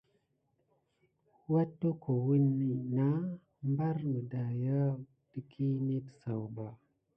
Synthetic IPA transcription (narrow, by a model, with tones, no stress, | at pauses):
wa˦tːo˦kʰo˨wi˦nːi˨na˦ | mba˦ɾmə˨da˨ja˦ | də˦kʰi˦ni˦tə̥˨sa˨wba˨